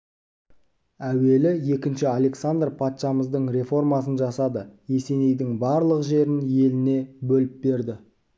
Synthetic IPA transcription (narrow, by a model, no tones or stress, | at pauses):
æwe̞lɪje̞kʲɪnʃɪalˠe̞ksand̪rpʰɑt̪ʃɑməzd̪əɴɾe̞fo̞rmɑsənʒɑsɑd̪əje̞se̞ne̞jd̪ɪŋbɑɾlˠəqʒe̞ɾɪnje̞lɪne̞bɵlɪp̚be̞ɾd̪ɪ